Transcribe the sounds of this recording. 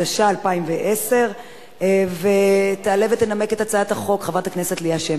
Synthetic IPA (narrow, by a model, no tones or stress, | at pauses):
aʃaːlpaimveʔese̞ʁ | vet̪aalevet̪ːename̞ketat͡saat̪aχo̞kχavʁat̪aknese̞tlijaʃe